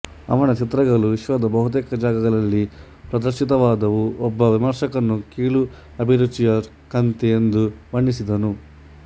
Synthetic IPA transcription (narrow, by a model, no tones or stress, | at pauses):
ɐ̰ʋɐnɐt͡ʃit̪ɾɐɡɐluʋiʃʋɐd̪ɐbɐɦut̪eːkɐd͡ʒaːɡɐɡɐɭɐlːi | pɾɐd̪ɐɾʃit̪ɐʋaːd̪ɐʋuʔɔbːɐʋimɐɾʂɐkɐnːukiːɭu | ɐbʱiɾut͡ʃːijɐ | kɐnt̪ɛend̪uʋɐɳːisid̪ɐnu